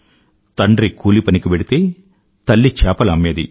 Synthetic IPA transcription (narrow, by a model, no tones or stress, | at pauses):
t̪ɐɳɖɾikuːlipɐnikibeɽit̪e̞ː | t̪ɐlːit͡ʃɛːpɐlɐmːed̪ḭ